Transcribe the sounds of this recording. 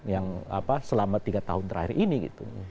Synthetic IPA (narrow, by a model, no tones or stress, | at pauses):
jaŋa̰pasəlamat̪iɡat̪a̰ɦʊnt̪əɾa̰hɪrʔiniɡḭt̪ṵ